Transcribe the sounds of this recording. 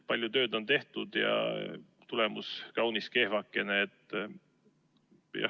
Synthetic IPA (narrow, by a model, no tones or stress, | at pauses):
pɑlʲjut̪ø̞ːd̪o̞nt̪e̞ht̪ud̪̥jɑ̰ | t̪ule̞muskɑwniske̞hvɑkːˑe̞neːt̪ːˑ | jɑ̰